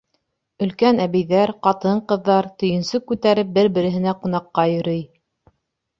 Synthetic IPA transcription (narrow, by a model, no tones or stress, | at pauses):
ɵ̆lkænæβɘ̆jðæɾqɑt̪ɤɴqɤ̆ðːɑɾt̪ɵ̆jɵ̆nsɵkːʉt̪æɾɘp̚bɘɾbɘ̆ɾɘ̆ɦɘ̆næqunɑqːɑjɵ̆ɾɤj